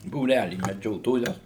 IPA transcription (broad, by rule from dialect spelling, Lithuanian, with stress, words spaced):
buːˈrʲælʲiː mʲɛˈd͡ʒʲoːtoːjɛ